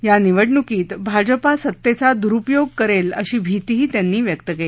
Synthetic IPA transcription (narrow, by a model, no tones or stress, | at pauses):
janiʋəʈɳukiːt̪bʱad͡ʑəpasət̪ːet͡sad̪uɾupjoɡ̚kəɾeləɕiːbʱit̪iɦiːt̪janːiːʋjəkt̪əkele